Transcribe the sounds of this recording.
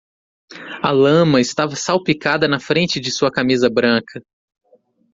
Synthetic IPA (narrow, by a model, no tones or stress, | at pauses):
ɐlɐ̃mɐɪst̪avɐsawpikad̪ɐnɐfɾẽnt͡ʃɪd͡ʒɪsuɐkamizɐbɾɐ̃kʰɐ